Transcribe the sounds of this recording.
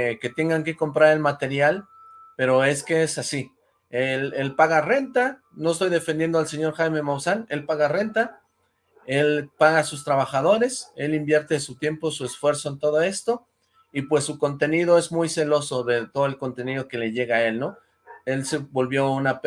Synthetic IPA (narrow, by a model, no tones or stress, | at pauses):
ke̞t̪e̞ŋɡaŋke̞ko̞mpɾaɾe̞lmat̪e̞ɾjal | pe̞ɾo̞e̞ske̞esasi | ele̞lpaɣare̞nt̪a | no̞est̪o̞jðe̞fend̪jend̪oalse̞ɲo̞ɾxajme̞mowsane̞lpaɣare̞nt̪a | e̞lpaɣasust̪ɾaβaxað̞o̞ɾe̞se̞limbje̞ɾt̪e̞sut̪je̞mpo̞sue̞sfwe̞ɾso̞ent̪o̞ðo̞e̞st̪o̞ | ipwe̞sːuko̞nt̪e̞niðo̞e̞zmujse̞lo̞so̞ðe̞t̪o̞ðoe̞lko̞nt̪e̞nið̞o̞ke̞leʝe̞ɣae̞lno̞ | e̞lsebo̞lβjo̞unap